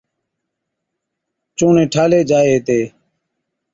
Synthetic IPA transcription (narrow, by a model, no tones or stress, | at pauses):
t͡ʃũːnẽːʈʰaːleːd͡ʒaːeːt̪eː